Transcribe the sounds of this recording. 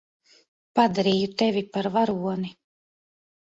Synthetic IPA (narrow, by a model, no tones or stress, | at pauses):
pad̪aɾiːjut̪evʲipaɾvaɾuɔni